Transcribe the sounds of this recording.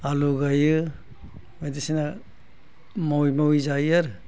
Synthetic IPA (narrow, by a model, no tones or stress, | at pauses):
aluɡajɯ | ajdisina | mawjmawjzajaɾ